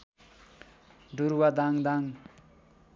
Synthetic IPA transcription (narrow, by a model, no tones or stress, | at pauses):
ɖuɾwad̪aŋd̪aŋ